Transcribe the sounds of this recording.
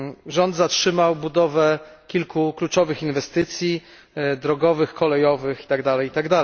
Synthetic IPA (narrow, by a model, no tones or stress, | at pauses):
ʐɔnd̪zatʂɘmawbud̪ɔvɛkʲilkuklut͡ʂɔvɘxinvɛst̪ɘt̪sʲji | d̪ɾɔɡɔvɘxkɔlɛjɔvɘxi̥t̪aɡd̪alɛjit̪aɡd̪alɛj